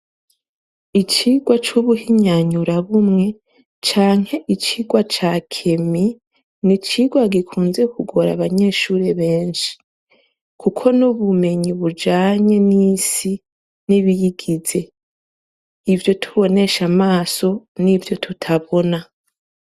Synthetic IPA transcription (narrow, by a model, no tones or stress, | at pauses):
it͡ʃiɡwat͡ʃuβuhiɲaɲuɾaβumŋe̞ | t͡ʃaːŋhe̞ʔit͡ʃiɡwat͡ʃakʰe̞mi | nit͡ʃiɡwaɡikʰuːnze̞kʰuɡo̞ɾa̰βaɲe̞ːʃuːɾe̞βe̞ːnʃi̥ | kʰukʰo̞nuβume̞ɲiβud͡ʒaːɲe̞nisi | niβijiɡize̞ | ivjo̞tʰu̥βo̞ne̞ʃamaːso̞nivjo̞tʰutʰaβo̞na